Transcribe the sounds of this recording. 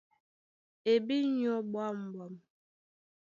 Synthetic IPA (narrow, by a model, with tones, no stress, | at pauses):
e˨bi˦ɲɔ˦bwa˦m̩˨bɔ˨m